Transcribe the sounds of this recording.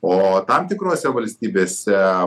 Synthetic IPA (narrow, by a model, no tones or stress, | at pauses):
oːt̪ɐmt̪ʲɪkɾoːsʲɛʋɐlʲsʲt̪ʲiːbʲeːsʲɛ